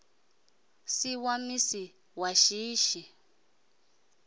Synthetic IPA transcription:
siwamisi | waʃiːʃi

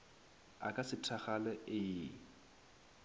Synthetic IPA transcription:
a̰kʼasɪtʰaχalɛɪɪːŋ̩

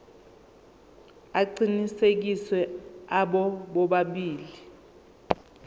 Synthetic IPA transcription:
aǀinisek̬iswɛaɓɔɓɔɓaɓiːli

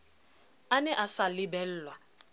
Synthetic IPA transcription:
anɛʔasalibɛl̩ːlwa

